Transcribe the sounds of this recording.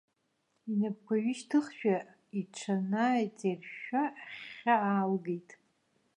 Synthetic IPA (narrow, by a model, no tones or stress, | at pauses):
inap̚kʷaɥiʃtʰɨχʃᶣa | iʈ͡ʂʷʰanaːjt͡sʼerʃaχaaːlɡejtʼ